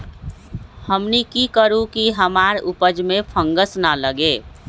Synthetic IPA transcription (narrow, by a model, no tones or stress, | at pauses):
həmnikikəɾũkiɦəmaɾupəd͡ʒmẽpʰə̃ŋɡəsnaləɡe